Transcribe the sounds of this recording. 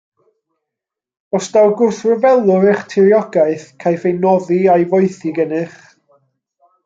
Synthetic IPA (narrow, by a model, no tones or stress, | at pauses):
ɔsd̥awɡʊrθrəvɛlˠʊɾɛχtʰɪɾjɔɡaɨθkʰajfejnɔðiajvɔɨθiɡənɪχ